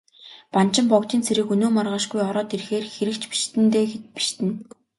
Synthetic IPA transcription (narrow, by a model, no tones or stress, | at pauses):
pan̥t͡ɕɪ̆mpɔkt͡ɕ̪iːnt͡sʰeɾɘ̆kɵnoːmarʁăːʃɡujɔɾɔːt̪irxeːrxeɾɘ̆kt͡ɕpi̥ʃt̪ɘ̆nt̪eːɡet̪̚pi̥ʃt̪ɘ̆n